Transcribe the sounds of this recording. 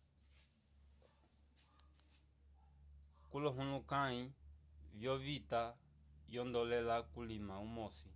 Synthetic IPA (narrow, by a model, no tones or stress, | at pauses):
kulɔɦũlukaivjɔvitajɔndɔlɛlakulimaumɔsi